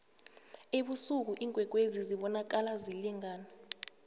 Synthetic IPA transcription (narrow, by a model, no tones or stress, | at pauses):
eɓusuk̬uʔiŋʱwɛk̬weziziɓɔnak̬alaziliŋaːna